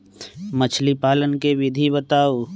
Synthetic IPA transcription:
mət͡ʃʰlipaːlənkeʋɪd̪ʱibət̪aːu

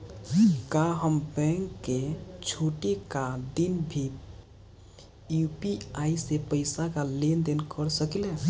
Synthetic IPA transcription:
kaɦəmbɛ̃ŋkːet͡ʃʰoʈikad̪inbʱi | jupiaisepəɪsakalend̪enkəɾsəklẽ

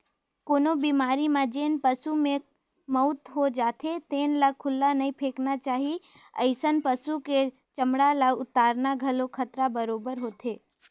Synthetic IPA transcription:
koːnobiːmaːɾimãd͡ʒeːnpəsumẽ | mɐʊt̪ɦod͡ʒaːt̪ʰet̪eːnlakʰʊlːanɐĩpʰeːknat͡ʃaːɦi | ə̰ɪsənpəsuke | t͡ʃəmɽalaʊt̪aːɾnaɡʱɐlokʰɐt̪ɾabəɾoːbəɾɦoːt̪eː

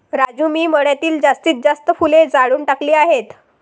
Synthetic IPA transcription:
ɾad͡ʑumiːməɽjat̪iːld͡zast̪iːt̪̚d͡zast̪əfuled͡zaɽuːɳʈakliːaɦet̪

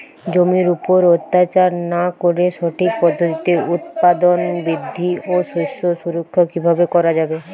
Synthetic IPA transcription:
d͡ʑomiɾupoɾot̪ːat͡ɕaɾnakoɾeʃɔʈʰik̚pɔd̪ʱːot̪it̪eut̪̚pad̪onbɾid̪ʱːioʃuʃoʃuɾokʰːokibʱabekɔɾad͡ʑabe

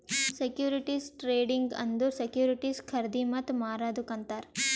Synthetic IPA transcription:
sekjuːɾiʈisʈɾeːɖiŋɡɐ̰nd̪usekjuːɾiʈiskʰɐɾd̪imɐt̪maːɾaːd̪ukɐnt̪aːɾ

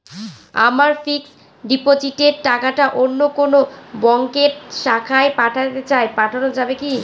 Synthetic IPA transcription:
a̰maɾfiks | ɖipod͡ʑiʈeɾʈakaʈaʔonːokonobɔŋkeɾʈʃakʰaepaʈʰat̪et͡ɕaepaʈʰanod͡ʑabeki

